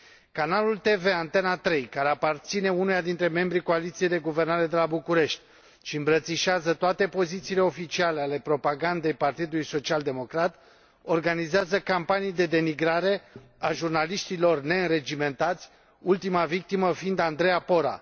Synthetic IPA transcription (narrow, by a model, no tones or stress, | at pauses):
kanalult̪e̞ve̞ant̪e̞nat̪ɾe̞jkaɾe̞apart̪sine̞unujad̪int̪ɾe̞me̞mbɾiko̞alit̪sijejd̪e̞ɡuve̞rnaɾe̞d̪e̞labukuɾe̞ʃt̪̚ʲ | ʃiɨmbɾət̪siʃeazət̪oat̪e̞po̞zit̪siːle̞o̞fit͡ʃialeale̞pɾo̞paɡand̪e̞jpart̪id̪ulujso̞t͡ʃiald̪e̞mo̞kɾat̪ | o̞rɡanizeazəkampanijd̪e̞d̪e̞miɡɾaɾe̞aʒurnaliʃt̪ilo̞rne̞ɨnɾe̞d͡ʒime̞nt̪at̪sʲ | ult̪imavik̚t̪iməfind̪and̪ɾe̞japo̞ɾa̰